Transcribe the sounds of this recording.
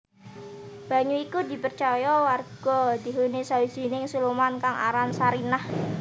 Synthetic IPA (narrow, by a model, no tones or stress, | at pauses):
b̥a̤ɲuikud̪i̤pərt͡ʃajɔwarɡ̥ɔ̤d̪i̤ɦunisawi̥d͡ʒ̥i̤nɪŋsulumankaŋa̰ɾansaɾinah